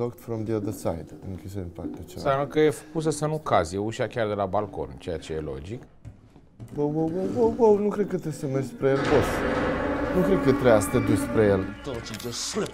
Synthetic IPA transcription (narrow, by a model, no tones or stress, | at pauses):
lɔkt̪fɾɔ̃md̪iəðəsajd̪ɨ̃ŋkʰʲisəd̪inpak̚t̪at͡ʃḛsanəkəjefəkus̬əsənukazijeuʃakʲard̪e̞labalko̞̰nt͡ʃe̞jat͡ʃe̞je̞lo̞̰d͡ʒik | bəwwəwwəwwəwwəwnukɾed̪̚kət̪esəmespɾejelbos | nukɾed̪̚kət̪ɾeast̪əd̪uspɾejelt̪ot͡ʃit̪osle